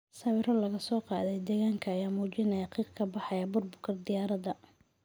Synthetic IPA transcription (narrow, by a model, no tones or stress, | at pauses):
sɐwɪɾɔlɐɣɐsɔːqɑːðɛjd̪ɛːɣaːŋkʰɐːjaːmuːt͡ʃɪnɐjɐqiːqkʰɐbɑħɑjɐbʊrbʊkʰɐrd̪ɪjaːɾɐðɐ